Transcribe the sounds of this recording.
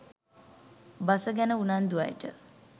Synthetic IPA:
basəɡænəunand̪uʋa̰jʈə̰

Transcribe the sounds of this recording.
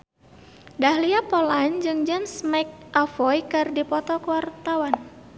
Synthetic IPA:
dahliapɔland͡ʒɨŋd͡ʒamsmajk̚ʔafɔjkɨrdipɔt̪ɔkəwart̪awan

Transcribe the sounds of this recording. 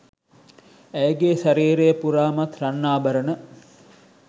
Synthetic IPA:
æjɡeːsaɾiːɾejəpuɾaːmat̪ranːaːbəɾənə

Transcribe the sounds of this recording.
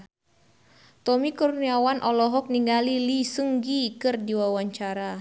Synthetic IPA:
t̪ɔmikɔɾuniawanʔɔlɔɦɔk̚niŋɡalilisəŋɡikɨrdiwawaɲt͡ʃaɾa

